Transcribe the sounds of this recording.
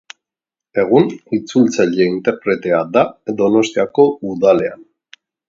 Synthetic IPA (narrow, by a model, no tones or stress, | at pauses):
e̞ɣ̞unit͡sult͡saʎe̞int̪e̞ɾpɾe̞t̪e̞ad̪ad̪o̞no̞st̪iako̞uðale̞an